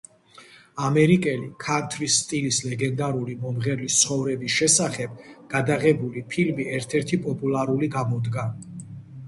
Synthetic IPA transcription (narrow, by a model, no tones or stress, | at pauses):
amɛɾikʼɛlḭkʰant̪ʰɾisːt̪ʼilislɛɡɛnd̪aɾulimɔmʁɛɾlist̪sʰχɔvɾɛbisʃɛsaχɛb̚ɡ̥ad̪aʁɛbulipʰilmiɛɾt̪ʰɛɾt̪ʰipʼɔpʼulˠaɾuliɡamɔd̪ɡa